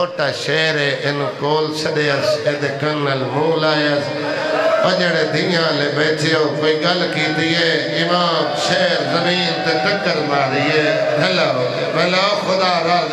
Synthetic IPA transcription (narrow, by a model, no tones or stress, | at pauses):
oːʈaːʃeːɾeːʔɪnkoːlt͡ʃʰɐɗeəsed̪ekɐnːəlɾoːlaːjəs | pɐɲəɽ̃ẽːd̪ʱĩːjãːleɓeːʈʰɪjoːkoĩɡɐlkĩːn̆d̪iːɦeː | ɪmaːmʃeːɾzɐmiːnt̪ekɐkəɾmãːɾiːeːdɐla | melaːxʊd̪aːɾaː